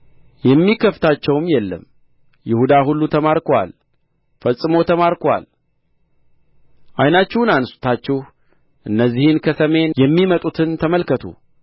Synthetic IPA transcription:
jɛmːikʰəft̪ʰat͡ʃːɛwmjɛlːə̰m | jɪhud̪aɦulːut̪ʰəmaɾkʰwa̰l | fəsʼːɨmo̞t̪ʰəmaɾkwa̰l | ʔajnat͡ʃːɛhnanst̪ʰat͡ʃːɛh | ʔɨnːəzːihɨnkʰəsəme̞njɛmːimət̪ʼut̪ʰɨnt̪ʰəməlkət̪ʰṵ

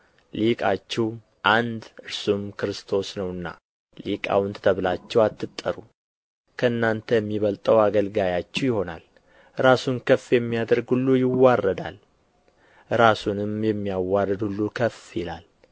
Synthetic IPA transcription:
likʼat͡ʃːɛw | ʔand̪ɨɾsumkɨɾɨst̪ʰo̞snəwɨnːa̰ | likʼa̰wʊnt̪ʰə̥t̪ʰəβlat͡ʃːɛwat̪ːɨt̪ʼːəɾu | kʰəɨnːant̪ʰəjɛmːiβəlt̪ʼəwaɡəlɡajat͡ʃːɛwjɪho̞na̰l | ɾasunkʰəfjɛmːijad̪əɾɡulːujɪwːarːəd̪a̰l | ɾasunɨmjɛmːijawːarəd̪hulːukʰəfɪla̰l

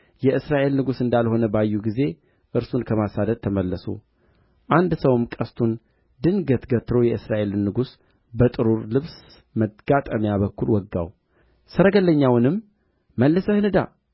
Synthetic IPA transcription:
jɛʔɨsɾaʔe̞lnɨɡusɨnd̪alho̞nəbajːuɡize̞ | ʔɨɾsunkʰəmasad̪əd̪̚t̪ʰəməlːəso̰ | ʔand̪səwɨmkʼəst̪ʰun | d̪ɨnɡət̪ɡət̪ːɾo̞jɛɨsɾaʔe̞lɨnːɨɡus | bət̪ʼɨɾuɾlɨβs | məɡ̥at̪ʼəmjaβəkʰːulwɔɡːa̰w | sɨɾəɡəlːəɲːawnɨm | məlːəsəhɨnɨd̪a

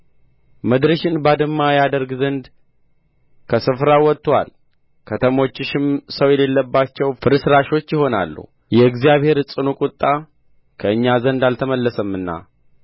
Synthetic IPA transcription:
məd̪ɾəʃɪnbad̪ɨmːajad̪əɾɡzənd̪ | kʰəsɨfɾawɔt̪ːwa̰l | kʰət̪ʰəmo̞t͡ʃːɪʃɪmsəwjɛle̞lːəbːat͡ʃːɛwfɨɾɨsɾaʃo̞t͡ʃːjɪho̞na̰lːṵ | jɛɨɡzijaβhe̞ɾsʼɨnukʼʊt̪ʼːa | kʰəɨɲːazənd̪alt̪ʰəməlːəsəmːɨnːa̰

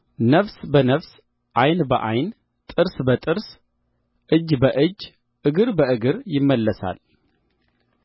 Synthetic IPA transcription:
nəfsbənəfs | ʔajnbəʔajn | t̪ʼɨɾsbət̪ʼɨɾs | ʔɨd͡ʒːbəʔɨd͡ʒː | ʔɨɡɨɾbəʔɨɡɨɾjɪmːəlːəsa̰l

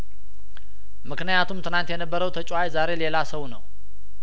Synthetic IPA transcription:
mɨknɨjat̪ʰumt̪ʰɨnant̪jɛnəbːəɾəwt̪ʰət͡ʃʼajzaɾe̞le̞lasəwnəw

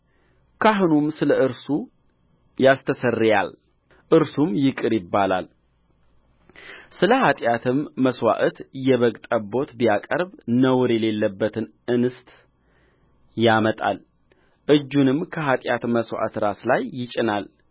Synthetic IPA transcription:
kʰaɦunumsɨləʔɨɾsu | jast̪ʰəsərːja̰l | ʔɨɾsumjɪkʼɨɾjɪbːalal | sɨləhat̪ʼjat̪ʰɨmːəswa̰ʔət̪jɛβəɡt̪ʼəbo̞t̪bijakʼəɾbnəwɾjɛle̞lːəbːət̪ʰɨn | ʔɨnɨst̪ʼ | jamət̪ʼa̰l | ʔɨd͡ʒːunɨmkʰəɦat̪ʼjat̪məswa̰ʔət̪ɾaslajːɪt͡ʃʼɪnal

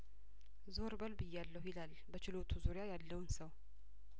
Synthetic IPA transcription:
zo̞ɾbəlbɨjːalːəwjɪlal | bət͡ʃɪlo̞t̪ʰuzuɾɪjajalːəwnsəw

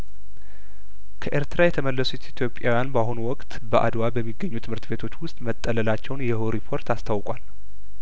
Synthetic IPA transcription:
kʰəʔe̞ɾt̪ɾajɛt̪ʰəməlːəsut̪it̪ʰjo̞pʼːjawjanbaɦonuwɔkʼt̪bəʔa̰d̪wabəmːiɡːəɲːut̪ʰɨmhɨɾt̪be̞t̪ʰo̞t͡ʃːwʊst̪ʼmət̪ʼːələlat͡ʃːɛwnjɛhoɾipʰo̞ɾt̪ʰast̪ʰawkʼwal

